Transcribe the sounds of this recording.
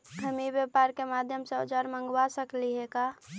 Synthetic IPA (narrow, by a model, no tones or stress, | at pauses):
ɡʱəmibjepaɾkemad̪ʱjəmseod͡ʒaɾmə̃ŋɡwasəkliɦeka